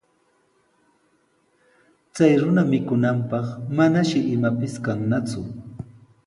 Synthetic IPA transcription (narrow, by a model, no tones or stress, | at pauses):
t͡sajɾʊnamɪkʊnampɑχmanaʃɪʔɪmapɪskaŋnat͡sʊ